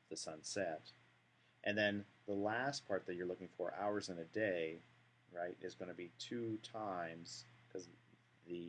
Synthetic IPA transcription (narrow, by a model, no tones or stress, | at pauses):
ðɨsʌ̃nsɛɾ | ʔɨ̃nðɨ̃nðəlæspʰɑɹt̪̚ðɨt͡ʃə˞lʊkɪ̃ŋfə˞ʔa̰ʊə˞zɨ̃nɨdeɪ | ɹaɪɾʔɨzɡʌ̃nɨbitʰʉtʰãɪ̃mz̥kʰʌz | ðɨ